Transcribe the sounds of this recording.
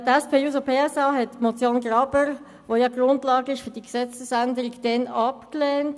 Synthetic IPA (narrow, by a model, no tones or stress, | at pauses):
dɛspʰeːjuːsopʰeːɛsɑːɦɛtmot͡sjoːnɡrɑbəɾ | ʋojɑɡ̥ɾʊntlɑːɡəɪʃfʏʁd̥iksɛt͡səsændəɾɪɡd̥ɛnɑpklɛːnt